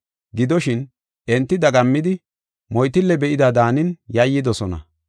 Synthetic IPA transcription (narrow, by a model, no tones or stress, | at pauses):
ɡɪd̪ɔʃɪn | ʔɛnt̪ːɪd̪ɐɡɐmːɪd̪ɪ | mɔjt̪ɪlːɛbɛʔɪd̪ɐd̪aːnɪnjɐjːɪd̪ɔsɔnɐ̰